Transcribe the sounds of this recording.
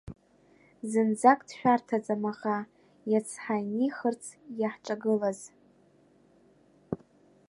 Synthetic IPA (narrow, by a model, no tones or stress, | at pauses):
zɨnd͡zakʼdʃʷᶣartʰat͡sʼamaχa | jat͡sʰħajniχərt͡sʰjaħʈ͡ʂʼaɡɨlaz̥